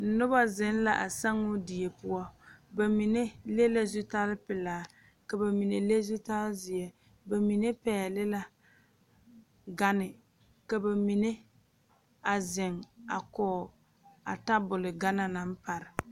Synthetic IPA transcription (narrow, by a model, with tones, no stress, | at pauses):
n̩˨nʊ˦ba˦zɪ˦n˦la˦˨ʔa˨sa˦ŋʊ˦di˨e˨pʊ˦ɔ˦ba˨mi˨ne˦le˦la˦zʊ˦ta˦lpɪ˨laː˨ | ka˨ba˨mi˨ne˨le˦zʊ˦ta˦lzɪ˨ɛ˦ | ba˨mi˨ne˦pɛː˨lɪ˦la˨ | ɡa˦nɪ˨ | ka˨ba˨mi˨ne˦ | a˨zɪ˨ŋa̰˨kɔː˨ | a̰˨ta˦bʊ˨lɪ˨ɡa˦na˨na˨˦m˦pa˨ɾɪ˨